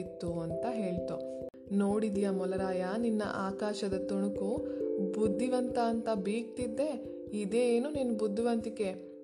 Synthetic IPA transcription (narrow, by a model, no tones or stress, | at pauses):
it̪ːuɐnt̪ɐɦe̞ːɭt̪u | noːɽid̪ijamɔlɐɾaːjɐninːɐ̰ʔaːkaːʃɐd̪ɐt̪uɳukubud̪ʱːiʋɐnt̪ɐːnt̪ɐbiːk̚t̪id̪ːe̞ | id̪e̞ːnuninubud̪ʱːiʋɐnt̪ike̞